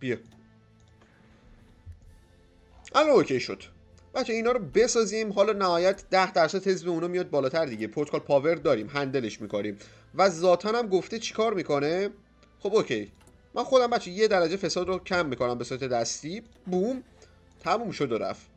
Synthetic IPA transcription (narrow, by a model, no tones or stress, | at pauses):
bi | ʔælɔnocʰe̞jʃod̪̥ | b̥æt̪t͡ʃʰːeiːnɒːɾobe̞sɒːzimɦɒːlɒːnæhɒːjæt̪d̪æhd̪æɾsæd̪he̞zbeunɒːmijɒːd̪̚bɒːlɒːt̪ʰæɾd̪iɟepʰoɾt̪kʰolpʰɒːve̞ɾd̪ɒːɾiːmɦænd̪ele̞ʃmiːkʰoɾiːm | væzɒːt̪ʰænæmɡoft̪et͡ʃʰi̥kʰɒːɾmiːkʰo̞ne | xo̞bocʰej | mʔænxo̞d̪æmbæt̪t͡ʃʰːejed̪æɾæd͡ʒe̞fe̞sɒːd̪ɾocʰæmːikʰo̞næmbesuɾæt̪ed̪æst̪iːbum | t̪ʰæmumʃod̪oɾæ̰f